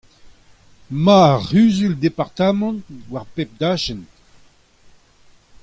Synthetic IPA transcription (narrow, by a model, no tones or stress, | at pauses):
maʁyːzyld̪epaʁt̪amɑ̃ntwaʁpep̚d̪aːʃɛnt